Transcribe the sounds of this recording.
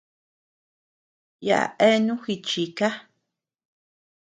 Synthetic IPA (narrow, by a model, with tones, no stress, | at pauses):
ja̰˨ʔa̰˨ʔe˦˧nũ˦xi˧t͡ʃi˨˧ka˦